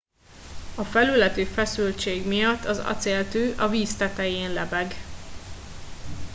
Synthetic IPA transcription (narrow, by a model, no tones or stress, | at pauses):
ɒfɛlylɛt̪yːfɛsylt͡ʃeːɡmijɒt̪ːɒzɒ̰t̪seːlt̪øːʔɒviːst̪ɛt̪ɛjeːnlɛbɛɡ